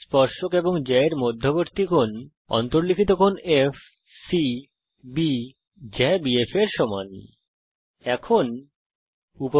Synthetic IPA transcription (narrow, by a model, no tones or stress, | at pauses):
spɔɾʃokeboŋd͡ʑɛeɾmod̪ʱːoboɾt̪ikʰon | ɔ̰nt̪oɾlikʰit̪okʰonef | si | bi | d͡ʑɛbiefeɾʃɔma̰n | ɛkʰon | upo